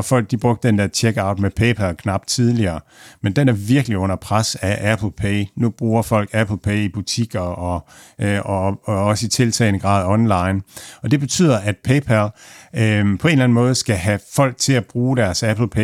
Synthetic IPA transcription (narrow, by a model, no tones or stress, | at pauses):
fɒ̽l̰ɡ̥̚d̥ib̥ʁɔ̽ɡ̥̚d̥ə̥dend̥eɐt͡ɕʰeɡ̥ɑ̈ʊd̥mepʰeɪpʰælkʰnɑ̈b̥̚t͡sʰið̞ˠliɐː | mend̥enæɐʋiɐɡ̥əliɔ̽n̰ɐpʰʁasæʔæpʰl̩pʰeːnub̥ʁuːɐfɒ̽l̰ɡ̥æpʰl̩pʰeib̥ut͡sʰiɡ̥ɐɒʔɒɒ̽səit͡sʰe̝lt͡sʰɛ̰ːɪnəɡ̥ʁɑ̰̈ːð̞̩ˠɒ̽nlɑ̈ɪnɒ̽d̥e̝b̥e̝t͡sʰy̰ːð̰ˠɐʔæd̥̚pʰeɪpʰæl | pʰɒ̽e̝nlæn̩mɔ̽ːð̞ˠsɡ̥æɦæfɒ̽l̰ɡ̥̚t͡sʰe̝læb̥ʁuːɾ̥æɐsæpl̩pʰe